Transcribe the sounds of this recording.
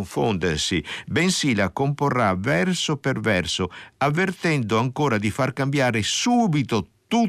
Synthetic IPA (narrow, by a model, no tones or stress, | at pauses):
ɱfond̪ersibɛnsilakomporːavɛrsopervɛrsoavːert̪ɛnd̪ʊaŋkoːɾad̪ifarkambjaːɾɪsuːbit̪ot̪u